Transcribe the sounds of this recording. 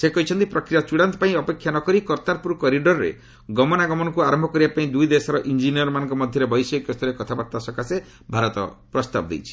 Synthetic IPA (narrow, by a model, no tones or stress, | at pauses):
sekɔit͡ʃʰɔnt̪ipɾɔkɾijat͡ʃuɽant̪ɔ̥paĩɔpekʰjanɔkɔɾikɔɾt̪aɾpuɾkɔɾiɖɔɾɾḛ | ɡɔmɔnaɡɔmɔnɔkuaɾɔmbʱɔkɔɾibapaĩd̪ujd̪esɔɾɔʔind͡ʒinijɔɾmanɔ̃ŋkɔmɔd̪ʱjɔɾebɔjsɔikɔst̪ʰɔɾekɔt̪ʰabaɾt̪ːasɔkase | bʱaɾɔt̪ɔ̰pɾɔst̪abɔd̪ḛjt͡ʃʰi̥